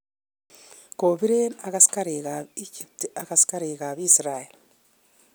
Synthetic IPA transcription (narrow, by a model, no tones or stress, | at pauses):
koβiɾenakasi̥kaɾekaicitiakasi̥kaɾeːkaβiːsiɾaeli